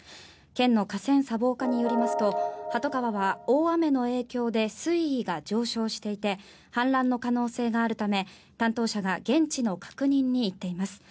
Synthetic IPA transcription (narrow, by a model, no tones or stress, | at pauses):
kẽ̞nːo̞kasẽ̞ɰ̃sabo̞ːkaɲ̟ijo̞ɾʲimasɨ̥t̪o̞hat̪o̞kaβaβaoːame̞no̞e̞ːkʲo̞ːd̪e̞sɨiːɡad͡ʑo̞ːɕo̞ːɕi̥t̪e̞it̪e̞ | hãnɾãnːo̞kano̞ːse̞ːɡaːɾɯ̟t̪ame̞ | t̪ãnt̪o̞ːɕaɡaɡẽ̞ɲt͡ɕino̞kʰḁkɯ̟ɲ̟ĩɲ̟ːiːt̪ːe̞imasɨ̥